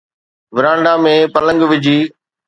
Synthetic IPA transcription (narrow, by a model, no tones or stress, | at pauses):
ʋɪɾãːɳɖaːmẽːpələ̃ŋɡʋɪd͡ʑʱiː